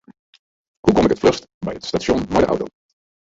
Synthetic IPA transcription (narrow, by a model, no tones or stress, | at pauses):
hukɔmɪkətflœstbɛjətstaːʃɔnvaɹdəʔʌ̰wto̰w